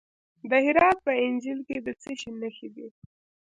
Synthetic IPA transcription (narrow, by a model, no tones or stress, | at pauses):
d̪əhɪɾɑt̪̚pəɪnd͡ʒilked̪ət͡səʃinəxibi